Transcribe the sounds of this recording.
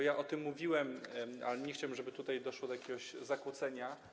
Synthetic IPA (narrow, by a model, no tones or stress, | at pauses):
ɔjaʔɔt̪ɘmːuvʲiwɛma̰lɛɲɛxt͡ɕawɛmʐɛbɘt̪ut̪ajd̪ɔʂwɔd̪ɔjakʲɛɡɔɕzakwut̪sɛɲa